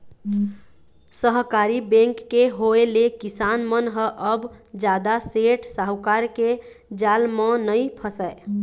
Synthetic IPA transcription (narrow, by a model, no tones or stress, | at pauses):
səɦkaɾibẽŋkːeɦoelekisanmənɦəʔəbd͡ʒad̪aseʈʰsaɦukaɾke | d͡ʒalmə̃nəjpʰəsəɪ